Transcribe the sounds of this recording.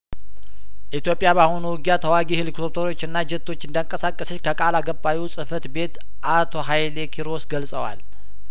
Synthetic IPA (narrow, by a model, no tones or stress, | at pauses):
ʔit̪jo̞pʼɪjabaho̞nuwʊɡjat̪ʰəwaɡihɨlɨkt̪ʰot̪ʰoɾo̞t͡ʃːɨnːad͡ʒɛt̪ʰːo̞t͡ʃːɨnd̪əŋkʼəsakʼːəsəkʰəkʼalaɡəbawisʼɨfət̪be̞t̪ | ʔat̪ʰo̞ɦajlekʰiɾo̞sɡəlsʼəwa̰l